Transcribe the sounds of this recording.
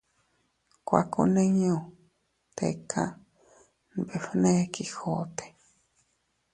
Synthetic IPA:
kʷa̰˨ko̰˧nẽ˦ɲõ˨ | t̪ḛ˨kʰa˦ | n˨be˨fnẽ˦ki˨xo˦t̪e̥˨

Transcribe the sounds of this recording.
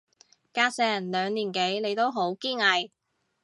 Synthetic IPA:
kaː˧sɛː˨˩nlœː˨˧ŋliː˨˩nke˨˥jne˨˧jt̪o˥wɦo˨˥wkiː˥ŋɐ˨˧j

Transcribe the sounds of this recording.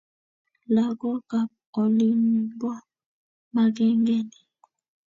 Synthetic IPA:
la˨ɡɔ˦ka˨p̚ɔ˨li˦m˦bwa˦ | ma˦ɡɛ˦ŋɡɛ˦nɛ˨

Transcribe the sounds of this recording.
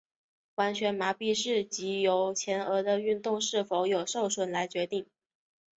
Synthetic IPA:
wa˧˥nɕɥɛ˧˥nma˧˥pi˥˧ʂɻ̩˥˩t͡ɕi˧˥jo˧˥ʊt͡ɕʰjɛ˧˥nɤ˧˥d̪ə˧y˥˧nt̪ʊ˥˧ŋʂɻ̩˥˩fo˧˥ʊjo˨˩ʊʂo˥˩ʊʂwə˧˩nla˧˥ɪt͡ɕɥɛ˧˥t̪i˥˩ŋ

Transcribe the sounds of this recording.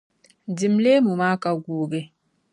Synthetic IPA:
di˨mle˦mu˨ma˦ka˦ɡuː˨ɡe˦

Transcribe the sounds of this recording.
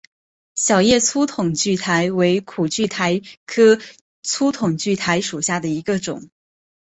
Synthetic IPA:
ɕjɑ˨˩ʊjɛ˥˩t͡sʰu˥t̪ʰʊ˨˩ŋt͡ɕy˥˩t̪ʰa˧˥ɪwe˧˥ɪkʰu˨˩t͡ɕy˥˩t̪ʰa˧˥ɪkʰɤ˥ | t͡sʰu˥t̪ʰʊ˨˩ŋt͡ɕy˥˩t̪ʰa˧˥ɪʂu˨˩ɕja˥˩d̪ə˩i˧˥ɡə˧ʈ͡ʂʊ̰˨˩˦ŋ

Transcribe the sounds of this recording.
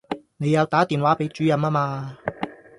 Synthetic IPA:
ne˨˧jɐ˨˧wt̪aː˨˥t̪iː˨nwaː˨˥pe˨˥jt͡ʃyː˨˥jɐ˨˧maː˥maː˧

